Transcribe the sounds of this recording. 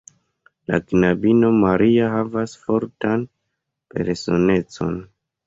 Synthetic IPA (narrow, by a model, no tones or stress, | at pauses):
la̰knabino̞maɾʔiaɦavasfo̞ɾtan | pe̞ɾso̞ne̞t͡so̞̰n